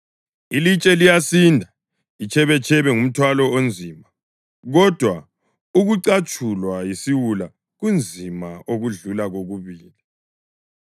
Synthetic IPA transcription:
ilit͡ʃʼɛlijasindʱa | it͡ʃʰɛβɛt͡ʃʰɛβɛŋum̩tʰwalɔond͡zʱiːma | ɣɔd̥ʱwa | uɣuǀat͡ʃʰʼulwajisiwula | ɣund͡zʱimaʔoɣuɮulaɣoɣuβiːli

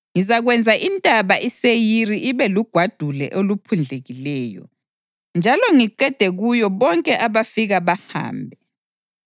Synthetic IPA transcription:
ŋizaɣwɛnd͡zʱaʔintʼaβaʔisejiriʔiβɛluɡ̥ʱwad̥ʱulɛ̰ʔolupʰund͡ɮʱeɣilɛːjɔ̰ | nd͡ʒʱalɔŋiǃɛd̥ʱɛɣujɔβɔŋkʼɛʔaβafiɣaβaha̰ːmbʱɛ

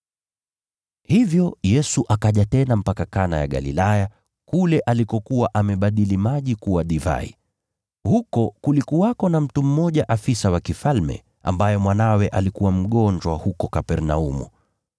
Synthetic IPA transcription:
hivjɔjɛsuʔakaʄatɛnam̩pakakana̰ja̰ɠa̰lilaja | kulɛʔalikɔkuwaʔamɛɓaɗilimaʄikuwaɗiva̰ḭ | hukɔkulikuwakɔnam̩tum̩mɔʄaʔafisawakifalmɛ̰ | a̰mbajɛmwanawɛʔalikuwam̩ɠɔɲd͡ʒwahukɔkapɛɾna̰umṵ

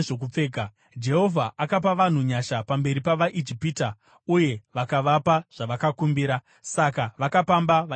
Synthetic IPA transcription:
ʐokup͡feːɡʱa | d͡ʒe̞ɦo̞vʱaʔakap̬aʋan̤uɲaʃapambe̞ɾipaʋaʔid͡ʒipiːta | uje̞ʋakaʋapaʐ̥aʋakakumbiːɾa | sakaʋakapambaʋ

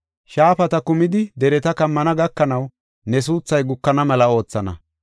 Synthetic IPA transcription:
ʃaːfɐt̪ɐkʊmɪd̪ɪd̪ɛɾɛt̪ɐkɐmːɐnɐɡɐkːɐnɐw | nɛs̬uːt͡sːɐjɡʊkːɐnɐmɐlɐo̞ːt͡sːɐnɐ̰

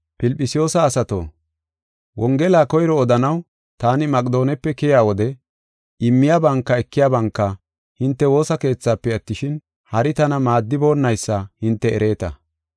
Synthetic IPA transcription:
pɪlpʼːɪsɪjo̞ːsɐːsɐt̪o̰ː | wɔŋɡɛlaːkɔjɾɔːd̪ɐnɐw | t̪aːnɪmɐkʼd̪o̞ːnɛpːɛkɛjaːwɔd̪ɛ | ɪmːɪjaːbɐŋkːɐɛkːɪjaːbɐŋkːɐ | hɪnt̪ːɛwo̞ːsɐke̞ːt͡sːaːpːɛɐt̪ːɪʃɪn | hɐɾɪt̪ɐnɐmaːd̪ːɪbo̞ːnːɐjsːɐhɪnt̪ːɛɛɾe̞ːt̪ɐ̰

